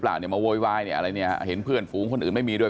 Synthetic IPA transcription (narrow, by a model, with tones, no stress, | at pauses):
plaː˨˩wni˧˩maː˧woː˧jwaː˧jni˧˩ʔa˧ɾa˧jnḭ˥˩˧ɦe˩˦npʰɯ˥˩ənfuː˨˦ŋkʰo˧nʔːnma˥˩jmiː˧du˥˩